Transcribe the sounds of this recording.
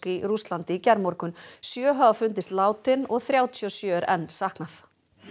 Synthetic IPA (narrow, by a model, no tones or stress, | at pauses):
kirust̪lant̪ɪicɛɾmɔɾkʏnsjœːɦœːɣafʏnt̪̬ɪst̪laːwt̪ɪnɔɣθɾjaːwt̪ʰiɔsjœːɾɛnːsahknaθ